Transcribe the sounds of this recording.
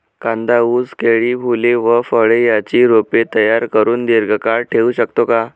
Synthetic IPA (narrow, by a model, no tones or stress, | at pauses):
kãnd̪auːd͡zkeɭiːbʱuleʋəfəɭejat͡ɕiːɾopet̪əjaɾkəɾuːnd̪iɾɡʱəkaɭʈʰeuɕəkt̪oka